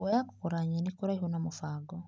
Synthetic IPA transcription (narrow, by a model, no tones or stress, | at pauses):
ɛjakukuɾaɲinikuɾaihunamufaɡɔ